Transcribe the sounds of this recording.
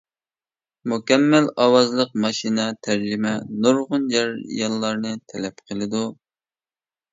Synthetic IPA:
mukʲɛmːælɑwɑzlˠəq̚mɑʃinɛt̪ʰæɾd͡ʒimɛnoɾʁʊnd͡ʒɛɾjɑlˠːɑɾnɨt̪ʰɛlɛpqʰəlˠɨd̪u

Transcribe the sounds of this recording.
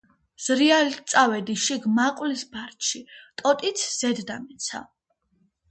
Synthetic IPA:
z̥ɾialit̪sʼavɛd̪iʃiɡmaqʼwlisbaɾt̪ʃit̪ʼɔt̪ʼit̪sʰz̥ɛd̪ːamɛt̪sʰa̰

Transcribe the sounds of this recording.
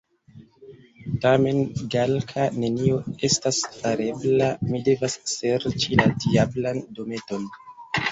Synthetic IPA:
tame̞nɡalkʰane̞nio̞e̞stasfaɾe̞blamide̞vasːe̞ɾt͡ʃiladiablando̞me̞to̞n

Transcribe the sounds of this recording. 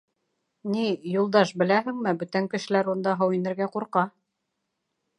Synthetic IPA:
nijulˠd̪ɑʃbɘ̆læɦɘ̆ŋmɘbɵ̆t̪æŋkɘ̆ʃɘ̆læɾund̪ɑɦɤwinɘ̆ɾɡæquɾqɑ

